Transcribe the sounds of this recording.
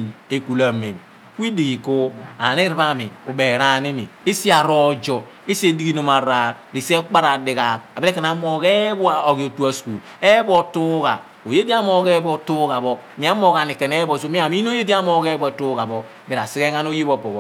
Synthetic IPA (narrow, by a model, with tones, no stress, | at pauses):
e˨ku˨la˨me˨m˨ | ki˦di˨ɡi˨ko˦a̰˨ni˦ɾi˦βa˦mḭ˨u˨be˨ɾa˦ni˦mḭ˨i˦si˦a˨ɾɔ˦d͡ʒɔ˨ | i˦si˦e˦di˦ɡi˦no˨ma˨ɾa˨ | ɾi˨se˦k͡pa˦ɾa˨di˨ɣa˨ka˨bi˦ɾe˦ke˨na˨˦mo˨ke˦bu˦a˨o˨ɡi˨o˨tu˦a˦sku˨l | e˦bɔ˦˨tu˦ɡa˨ | o˨je˦di˦a˦mo˦ke˦bo˦tu˦ka˨bɔ˦ | mi˨˦a˦mo˦ka˨ni˨ke˨ne˦bo˨s̬o˦mi˦a˨m˦i˦n˦o˦je˦di˦a˦mo˦ke˦bɔ˦e˨tu˦ɡa˨bɔ˦ | bi˨ɾa˨si˦ɡe˦ŋa˦n˦o˦ji˦bo˨po˨b